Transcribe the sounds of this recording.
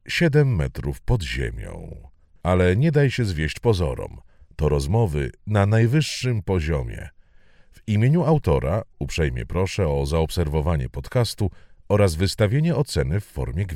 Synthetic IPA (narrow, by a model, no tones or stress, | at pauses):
ɕɛd̪ɛmːɛ̰t̪ɾufpɔd̪ʑḛmʲjɔ̰̃w̃ | alɛɲɛd̪ajɕɛzvʲjeɕt͡ɕpɔzɔ̰ɾɔ̰m | t̪ɔɾɔzmɔvɘ̰nanajvɘʂːɘmpɔʑɔmʲjɛ̰ | vimʲjeɲuawt̪ɔɾa̰upʂɛjmʲjɛ̰pɾɔʂɛɔzaɔpsɛɾvɔvaɲɛ̰pɔt̪kast̪uɔɾazvɘst̪avʲjeɲɛɔt̪sɛnɘfːɔ̰ɾmʲjɛɡʲ